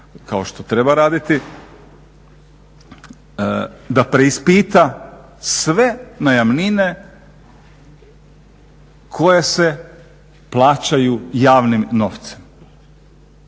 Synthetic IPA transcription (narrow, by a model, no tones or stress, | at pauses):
kao̞ʃt̪o̞t̪ɾe̞baɾaːd̪it̪i | d̪apɾeispiːt̪a | sʋe̞najamnine | kʰo̞jese | plˠaːt͡ɕajujaːʋnimno̞ʋt̪se̥m